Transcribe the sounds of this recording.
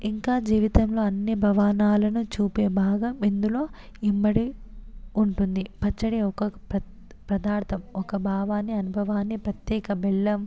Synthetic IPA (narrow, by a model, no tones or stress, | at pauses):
iŋkaːd͡ʒiːʋit̪ɐmlo̞ːɐnːibʱɐʋaːnaːlɐnut͡ʃuːpeːbʱaːɡɐmind̪ulo̞ː | imːɐɽi | uɳʈund̪ipɐt͡ʃːɐɽeːɔkɐpɐ | pɾɐd̪aːɾt̪ʰɐmɔkɐbʱaːʋaːnːiɐnubʱɐʋaːnːipɾɐt̪jɛːkɐbɛɭːɐm